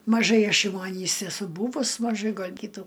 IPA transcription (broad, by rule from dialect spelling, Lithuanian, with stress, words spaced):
mɐˈʒɐɪ ˈɐʃ jɛʊ ɐˈnʲiːs ɛˈsʊ ˈbuːʋʊs mɐˈʒɐɪ ɡɐlʲ ˈkʲiːtuː